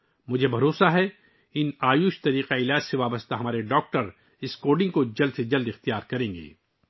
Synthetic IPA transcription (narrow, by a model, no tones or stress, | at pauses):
mʊd͡ʒʱebʱɐɾoːsaɦɛ | ɪnaːjuːʃt̪ɐɾiːqaɪlaːd͡ʒseʋaːbəst̪aɦɐmaːɾeɖɔːk̚ʈəɾ | ɪskoːɖɪ̃ŋɡkod͡ʒɐld̪sed͡ʒɐld̪ɪxt̪ijaːɾkɐɾẽːŋɡḛː